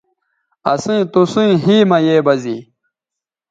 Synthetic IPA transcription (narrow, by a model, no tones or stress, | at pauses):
ɐsĩːt̪usũjɦiːmɐjeːbɐzḭ